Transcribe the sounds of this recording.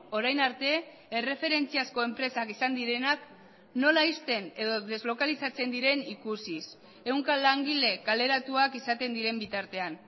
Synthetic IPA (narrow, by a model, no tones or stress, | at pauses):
o̞ɾajnaɾt̪e̞ | ere̞fe̞ɾe̞nt͡siasko̞e̞mpɾe̞sakisand̪iɾe̞nak | no̞laist̪e̞ne̞ðo̞ðe̞zlo̞kalisat͡se̞nd̪iɾe̞nikusis | e̞wŋkalaŋɡile̞kale̞ɾat̪uakisat̪e̞nd̪iɾe̞mbit̪aɾt̪e̞an